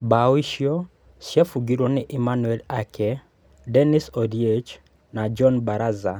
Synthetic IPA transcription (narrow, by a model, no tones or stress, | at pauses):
bawiʃjo | ʃjɛfuɡiɾonɪʔɪmanwɛlakʰɛ | dɛnɪsɔdiet͡ʃ | nad͡ʒɔnbaɾaza